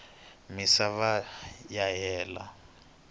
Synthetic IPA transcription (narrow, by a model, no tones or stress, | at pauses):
misaβajaɦɛːla̰